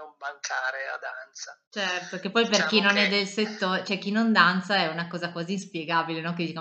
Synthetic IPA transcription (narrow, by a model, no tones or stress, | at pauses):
ombaŋkʰaːɾea̰d̪ant̪sat͡ʃɛrt̪okepːɔjperkkinonɛd̪ːelset̪ːoːɾet͡ʃoɛk̟ːinond̪ant̪saɛunakɔːzakwaːziːnspjeɡaːbilenɔk̬ed̪it͡ʃa